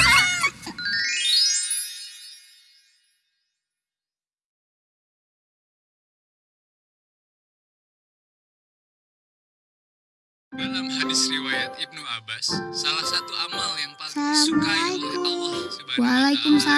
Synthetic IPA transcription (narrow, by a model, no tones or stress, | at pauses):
dalamhadisriwajat̪ib̚nuabasːalahsat̪uamaljaŋpasalamalaik̪u | walakʊmsa